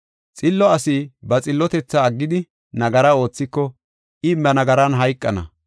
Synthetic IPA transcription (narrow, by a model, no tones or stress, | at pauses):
t͡sʼɪlːɔɐsibɐt͡sʼɪlːɔt̪ɛt͡sːɐːɡːɪd̪ɪ | nɐɡɐɾɐo̞ːt͡sːɪkːɔ | ʔɪmːɐnɐɡɐɾɐnɦɐjkʼːɐnɐ̰